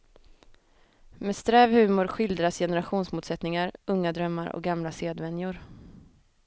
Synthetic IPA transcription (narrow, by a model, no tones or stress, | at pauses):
mɛd̪st̪ɾɛːvhʉ̟ːmʊɾɧɪld̪ɾasjɛnɛɾaɧuːnsmuːt̪sɛt̪nɪŋaɾɵŋːad̪ɾœmːaɾɔ̰k̚ɡamlaseːd̪vɛnjʊɾ